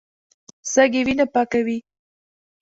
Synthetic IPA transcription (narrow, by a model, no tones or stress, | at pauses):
saɡewinapakawi